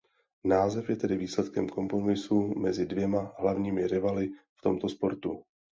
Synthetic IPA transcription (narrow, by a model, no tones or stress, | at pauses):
naːzɛfjɛt̪ɛdɪviːslɛt̪kɛmko̞mpɾo̞mɪsumɛzɪdvjɛmaɦlavɲiːmɪɾɪvalɪft̪o̞mt̪o̞spo̞ɾt̪u